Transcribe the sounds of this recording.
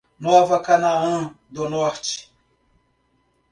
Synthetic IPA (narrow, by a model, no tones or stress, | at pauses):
nɔvɐkanaɐ̃d̪ʊnɔɾt͡ʃɪ̥